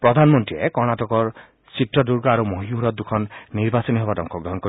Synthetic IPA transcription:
pɾɔd̪ʱanmɔnt̪iɾḛkɔɾɽ̃aʈɔkɔɾ | siʈɾɔduɾɡɔaɾumoɦiuɾɔt̪̚d̪ukʰɔnːiɾbasɔniɦɔbadɔŋkɔɡɾɔɦɔnkɔ

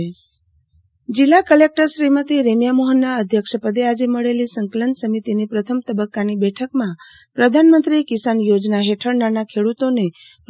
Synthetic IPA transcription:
d͡ʒilːakəlek̚ʈəɾʃɾimət̪ʰiɾemjamoɦənːaəd̪ʱjəkʃəpəd̪ead͡ʒeməɭelisəŋkələnsəmit̪inipɾət̪ʰəmt̪əbəkːanibɛʈʰəkmã | pɾəd̪ʱanmənt̪ɾikisanjod͡ʒnaɦeʈʰəɾnanakʰeɽut̪one

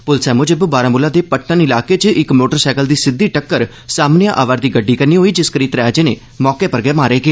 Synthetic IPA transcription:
pʊlsɛːmõːd͡ʒɪbbaːɾaːmʊlaːd̪eːpəʈʰːənɪlaːkeːt͡ʃʔɪkmoːʈəɾsɛːkəld̪iːsɪd̪ːiːʈəkːəɾ | saːmnɪjãːʔaːʋaːɾd̪iːɡəɖːiːkəɾniːɦoːiːd͡ʒɪskəɾiːt̪ɾɛːd͡ʒeːneː | mɔːkeːpəɾɡeːmaːɾeːɡeː

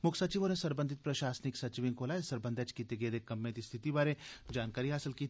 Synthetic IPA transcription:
mʊkʰsɐt͡ʃiʋonesɐɾbə̃nd̪ʱɪt̪̚pɾɐʃaːsnɪksɐt͡ʃiʋɪ̃ŋkoːlaːesɐɾbə̃nd̪ʱət͡ʃkit̪eɡeːd̪ekːɐmːẽt̪ist̪ʰɪt̪ibaːɾed͡ʒaːnkaːɾiɦaːsɪlkiː

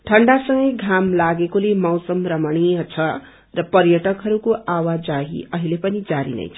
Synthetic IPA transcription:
ʈʰʌɳɖasʌŋɡʌjɡʱamlaɡekolemʌwsʌmrʌmʌɽ̃iʌt͡sʰʌ | rʌpʌrjʌʈʌkɦʌɾukoʔawad͡zaɦḭʔʌɦilepʌnid͡zaɾḭnʌ̰jt͡sʰʌ̥

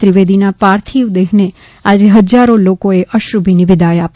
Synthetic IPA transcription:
ɾiʋed̪inapaɾt̪ʰiʋd̪eɦne | ad͡ʒeɦəd͡ʒaɾolokoeʔəʃɾubʱinɪʋɪd̪aeap

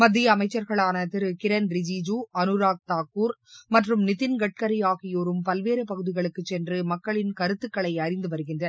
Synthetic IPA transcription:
mɐd̪ːɪjɐːmɐɪt͡ʃːɐɾɣɐɭaːnɐt̪ɪɾɯkɪɾɐnɾɪd͡ʒiːd͡ʒuːɐnɯɾaːk̚t̪aːkːuːɾmɐʈrɯmnɪðɪnɡɐʈ̚kɐɾɪjaːɣɪjoːɾɯmpɐlʋeːɾɯpɐɣɯðɪɣɐɭɯkːɯt͡ʃːɛndrɯmɐkːɐɭɪnkɐɾɯt̪ːɯkːɐɭɐɪɐɾɪnd̪ɯʋɐɾɯɣɪndrɐ

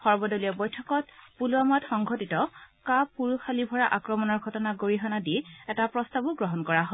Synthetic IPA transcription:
xɔɹbɔdoliɔbɔjtʰɔkɔt̚puluamɔtxɔŋɡʱotitɔkapːuɹuxalibʱɔɹaʔakɹɔmɔnɔɹɡʱɔtɔnaɡoɹiɦɔnadiɛtapɹɔstabuɡɹɔɦɔnkɔɹaɦɔ

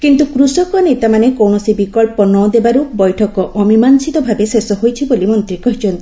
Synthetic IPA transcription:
kint̪ukɾusɔkɔnet̪amanekɔwɳɔsibikɔɭpɔnɔd̪ebaɾubɔjʈʰɔkɔʔɔmimansit̪ɔbʱabesesɔɦojt͡ʃʰibolimɔnt̪ɾikɔɦit͡ʃɔnt̪i

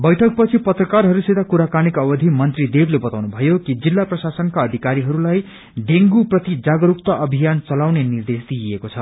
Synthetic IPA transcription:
bʌjʈʰʌk̚pʌt͡sʰipʌt̪rʌkarɦʌɾuset̪akuɾakanikʌbʌd̪ʱimʌnt̪rid̪eblebʌt̪awnubʱʌjokid͡zilːaprʌsasʌnkaʌd̪ʱikaɾiɦʌɾulaj | ɖ̪eŋɡuprʌt̪id͡zaɡʌɾuk̚t̪ʌʔʌbʱijant͡sʌlawnenird̪esd̪iekot͡sʰʌ

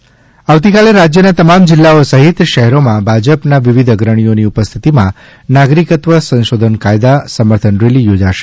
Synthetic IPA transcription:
aʋt̪ikaleɾad͡ʒjənat̪əmamd͡ʒɪlːaosəɦit̪ʃəɦɛɾomãbʱad͡ʒəpnaʋiʋid̪ʱəɡɾəɽ̃ijoniupəst̪ʰit̪imã̰ | naɡɾikət̪ʋəsə̃nʃod̪ʱənkajd̪asəməɾt̪ʰənɾelijod͡ʒaʃe̥

